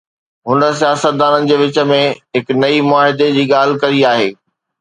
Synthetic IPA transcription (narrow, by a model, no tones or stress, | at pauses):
ɦʊnəsijaːsət̪̚d̪aːnənɪ̆d͡ʑeːʋɪt͡ɕə̆mẽɦɪknɐimʊaːɦɪd̪ed͡ʑiːɠaːl̤ɪkɐɾiaːɦeː